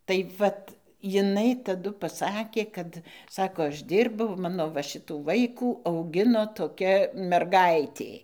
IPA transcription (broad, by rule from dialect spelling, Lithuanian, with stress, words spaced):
tɐɪ ˈʋɐt jɪˈnɐɪ tɐˈdʊ pɐˈsɑːkʲeː ˈkɐt ˈsɑːkoː ˈɐʃ ˈdʲiːrbɐʊ ˈmɑːnoː ʋɐ ˈʃʲɪtuː ˈʋɐɪkuː ɐʊˈɡʲɪnoː toːˈkʲɛ mʲɛrˈɡɐɪtʲeː